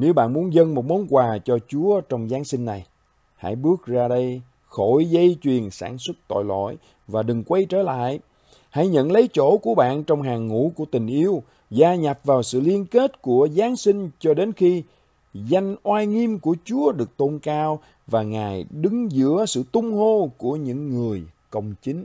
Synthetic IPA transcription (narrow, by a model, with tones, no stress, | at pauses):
ne˨˦wɓa̰ː˧˨nmu˨˦ənzə˧nmo˨˩t̚mo˨˦nkwaː˨˩t͡ɕɔ˧t͡ɕu˨˦ət͡ɕɔ˧wŋ͡mzaː˨˦nsï˧ŋ̟ːa˨˩j | ha̰˧˥jɓɨ˦˥ək̚zaː˧ɗə˧j | xo˧˩jzə˧jt͡ɕwi˨˩ənsaː˧˩nswə˦˥t̚t̪ɔ̰˧˨jlɔ̰˧˨j | vaː˨˩ɗɨ˨˩ŋkwa˧jt͡ɕəː˧˩la̰ː˧˨j | ha̰˧˥jɲə̰˧˨nlə˨˦jt͡ɕo˧˩ku˧˩əɓa̰ː˧˨nt͡ɕɔ˧wŋ͡mɦaː˨˩ŋːṵ˧˥ku˧˩ət̪ï˨˩ŋ̟ʔi˧əw | zaː˧ɲa˨˩p̚vaː˨˩wsɨ̰˧˨li˧ənke˦˥t̚ku˧˩əzaː˨˦nsï˧ŋ̟t͡ɕɔ˧ɗe˨˦nxi˧ | za˧jŋ̟ʔwaː˧jŋi˧mku˧˩ət͡ɕu˨˦əɗɨ˨˩ək̚t̪o˧nkaː˧w | vaː˨˩ŋaː˨˩jɗɨ˨˦ŋzɨ̰˧˥əsɨ̰˧˨t̪ʊ˧ŋ͡mho˧ku˧˩əɲɨ̰˧˥ŋːɨ˨˩əjkə˧wŋ͡mt͡ɕï˨˦ŋ̟